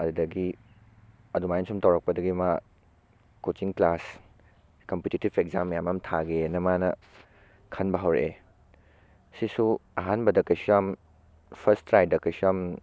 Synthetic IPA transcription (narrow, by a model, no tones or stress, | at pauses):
ɐdudɐɡi | ɐdumajinsumtɐwɾɐk̚pɐdɐɡima | kot͡ʃiŋklas | kɐmputitibʰekzamːɐjamɐmtʰaɡenɐmanɐ | kʰɐnbɐɦɐwɾḛ | sisuaɦanbɐdɐkɐjsuam | pʰɐɾstɾaj̚dɐkɐjsuam